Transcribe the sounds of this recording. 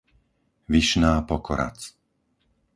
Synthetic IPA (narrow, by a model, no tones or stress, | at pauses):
ʋiʃnaːpɔkɔɾa̰t͡s